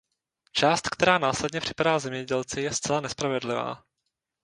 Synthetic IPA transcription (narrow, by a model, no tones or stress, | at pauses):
t͡ʃaːst̪kt̪ɛɾaːnaːslɛdɲɛpr̥ɪ̥padaːzɛmɲɛɟɛlt͡sɪjɛst͡sɛlanɛspɾavɛdlɪva̰ː